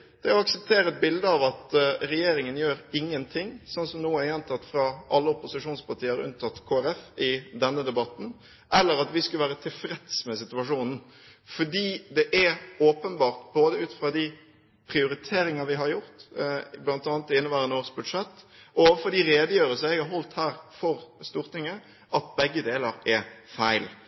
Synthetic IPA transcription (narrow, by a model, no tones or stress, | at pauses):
d̪̥ɛɔɑksəp̚t̪ʰeːɾəɛt̪̚bɪld̪əɑʋɑt̪ɾɛjeːɾɪŋənjøːɾɪŋːənt̪ʰɪŋːsɔnsɔmnuːəjɛnt̪ʰɑt̪ːfɾɑʔɑlːəʊpʊsɪʂuːnspɑɾt̪ʰiːəɾʉ̰nt̪ʰɑt̪ːkʰoːæɾɛfɪd̪ɛnːəd̪ɛbɑt̪n̩ | ʔɛlːəɾɑt̪ʋɪskʉʋæːɾət̪ʰɪlfɾɛd̪smɛsɪt̪ʉɑʂuːnn̩ | fɔɖiːd̪ɛʔɛoːpənbɑːʁt̪boːd̪əʉːt̪fɾɑd̪ɪ | pʰɾɪʊɾɪt̪ʰeːɾɪŋɑʋɪɦɑɾjʊʁt̪blɑnt̪ɑːnt̪ːɪɪnːəʋæːɾənoːʁsbʉd̪ʂɛt̪ːɔoːʋəfɔd̪ɪɾeːd̪əjøːɾəsəɛɡɑɾɦɔlt̪hæːɾfɔɾst̪uːɾt̪ɪŋə | ʔɑt̪̚bɛɡːəd̪eːləɾɛfæɪl